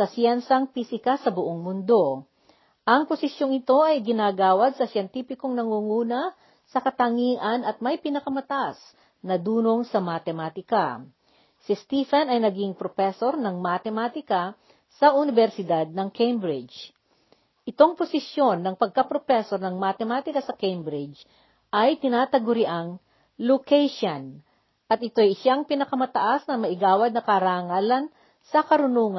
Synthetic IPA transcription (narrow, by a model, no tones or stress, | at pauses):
sɐsjɛnsɐŋpisɪkɐsɐbʊʔoŋmʊnd̪o̞ | ʔɐŋposɪsjo̞ŋɪt̪o̞ʔɐjɡɪnaːɡaːwɐd̪̚sɐsjɛnt̪iːfɪko̞ŋnɐŋuːŋuːnɐ | sɐkɐt̪ɐŋiːŋɐnɐt̪̚mɐjpɪnɐkɐmɐt̪as | nɐd̪uːno̞ŋsɐmɐt̪ɛmaːt̪ɪka | sɪst̪iːfɛnɐjnɐɡiŋpɾofɛso̞ɾnɐŋmat̪ɛmaːt̪ɪkɐ | sɐʔʊnɪvɛɾsɪd̪ad̪̚nɐŋkʰejmbɾɪd͡ʒ | ʔɪt̪o̞ŋposɪsjo̞nːɐŋpɐɡ̚kɐpɾofɛsoɾnɐŋmat̪ɛmaːt̪ɪkɐsɐkejmbɾɪd͡ʒ | ʔɐjt̪ɪnaːt̪ɐɡʊɾɪʔaŋ | lokɛjʃɐn | ʔɐt̪̚ʔɪt̪o̞jʃaŋpɪnɐkɐmɐt̪ɐʔasnɐmɐʔɪɡaːwɐd̪̚nɐkɐɾaŋaːlɐn | sɐkɐɾʊnuːŋɐ